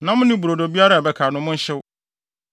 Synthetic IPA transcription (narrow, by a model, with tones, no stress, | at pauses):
nã˦mʊ̃˦nɪ̃˦bu˨ɾo˨do˨bi˦a˦ɾa˦˨bɛ˦kʰaː˨nʊ̃˦mʊ̃˦ɲ̩˦ɕɪ˦w